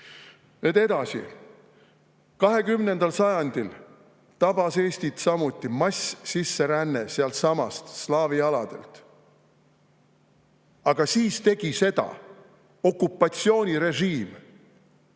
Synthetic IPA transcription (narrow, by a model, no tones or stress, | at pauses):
net̪e̞d̪ɑsḭ | kɑɦe̞kymne̞nd̪̥ɑlsɑjɑnd̪̥il | t̪ɑb̥ɑse̞ːst̪it̪sɑmut̪ʲˑːimɑsʲsisːe̞ɾænːeseɑlt̪sɑmɑst̪slɑːviɑlɑd̪̥e̞̰lt̪ | ɑɡ̥ɑsiːst̪e̞ɡ̥ise̞d̪̥ɑ̰ | o̞kːˑupˑːɑt̪sio̞ːnʲiɾe̞ʒiːm